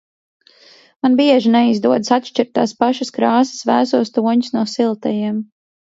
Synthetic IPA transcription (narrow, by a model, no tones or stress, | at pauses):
manbiɛʒinɛizd̪uɔd̪sat̪ʃt͡ʃiɾt̪ːa̰ːspaʃaskɾaːsə̥svæːsuɔst̪uɔɲu̥snuːsilˠt̪ɛjiɛm